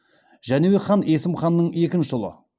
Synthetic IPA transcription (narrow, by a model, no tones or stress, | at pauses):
ʒæneweχɑne̞sɪmχɑnːəɴe̞kʲɪnʃɪʒʊlˠə̰